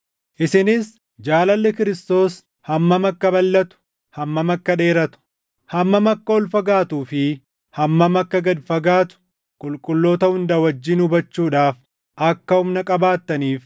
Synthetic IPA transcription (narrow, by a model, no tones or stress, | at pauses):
ʔɪsɪnɪs | d͡ʒaːlɐlːɛkɪɾɪst̪o̞ːs | hɐmːɐmɐkːɐbɐlːɐt̪ʊ̥ | hɐmːɐmɐkːɐᶑe̞ːɾɐt̪ʊ̥ | hɐmːɐmɐkːɐɔlfɐɡaːt̪uːfɪ | hɐmːɐmɐkːɐɡɐd̪fɐɡaːt̪ʊ̥ | kʼʊlkʼʊlːo̞ːt̪ɐhʊnd̪ɐwɐd͡ʒːɪːnhʊbɐt͡ʃːuːᶑaːf | ʔɐkːɐhʊmnɐkʼɐbaːt̪ːɐniːf